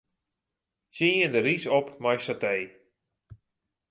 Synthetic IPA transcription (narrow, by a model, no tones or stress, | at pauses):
siəndəɾisɔpmajsatej